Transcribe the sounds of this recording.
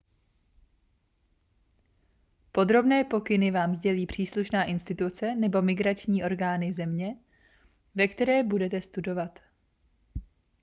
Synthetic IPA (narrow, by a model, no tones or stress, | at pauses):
po̞d̪ɾo̞bnɛːpo̞kɪnɪvaːmzɟɛliːpr̝̥iːsluʃnaːʔɪnst̪ɪt̪ut͡sɛnɛbo̞mɪɡɾat͡ʃɲiːʔo̞ɾɡaːnɪzɛmɲɛ | vɛkt̪ɛɾɛːbudɛt̪ɛst̪udo̞vat̪